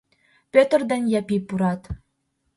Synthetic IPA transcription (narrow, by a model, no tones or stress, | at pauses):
pʲøt̪ə̆rd̪ɑnjæpipuɾɑt̪